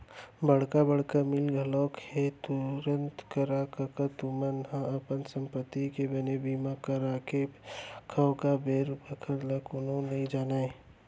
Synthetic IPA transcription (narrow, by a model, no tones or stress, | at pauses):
bəɽkabəɽ̤kamɪlɡʱɐlɔːkhet̪ʊɾə̃nt̪kəɾaːkakat̪umənɦãɐpənsə̃mpət̪ːikebənebiːmakəɾaːkʰekʰəwkabʱeːɾbəkʰəɾlakononɐɦĩd͡ʒaːnaːe